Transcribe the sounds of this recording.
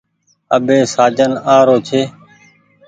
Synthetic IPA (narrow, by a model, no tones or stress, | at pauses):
əɓeːsaːd͡ʒənaːɾoːt͡ʃʰeː